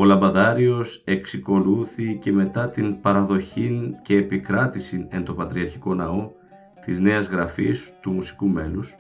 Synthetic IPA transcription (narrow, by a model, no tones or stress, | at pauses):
o̞lɐmbɐðɐɾio̞se̞ksiko̞luθice̞me̞t̪ɐt̪inpɐɾɐðo̞çince̞ːpikɾɐt̪isine̞nt̪o̞pɐt̪ɾiɐɾçi̥ko̞nɐo̞ | t̪izne̞ɐzɣɾɐfist̪umusi̥kume̞nus